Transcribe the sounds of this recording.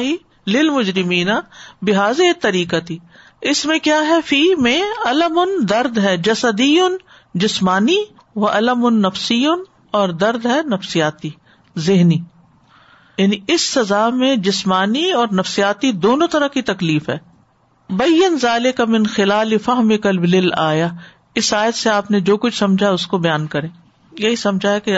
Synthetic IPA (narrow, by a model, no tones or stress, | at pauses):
ɦi | lɪlmʊd͡ʒɾɪmiːnabɪɦaːzet̪ɐɾiːkat̪i | ɪsmẽkjaːɦɛfiːmẽɐləmʊnd̪ɐɾd̪ɦɛːd͡ʒɐsɐd̪ijʊn | d͡ʒɪsmaːni | ʋɐʔɐləmʊnːɐfsijʊn | ɔːɾd̪ɐɾd̪ɦɛnɐfsijaːt̪i | zɪɦniː | jaːniɪsːɐzaːmẽd͡ʒɪsmaːniɔːɾnɐfsijaːt̪id̪oːnõt̪ɐɾɐkit̪ɐkliːfɦɛː | bɐjːɐnzaːlɪkamɪ̃nxɪlaːlifɐɦmɪkɐlblɪlaːja | ɪsaːjət̪seaːpned͡ʒoːkʊt͡ʃʰsɐ̃md͡ʒʱaʊskobɐjaːnkɐɾẽː | jɐɦisɐ̃md͡ʒʱaɛke